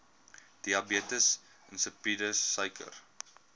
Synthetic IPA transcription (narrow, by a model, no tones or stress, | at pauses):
d̥iɐbiətəs | ənsəpidəːəjkʰə̰r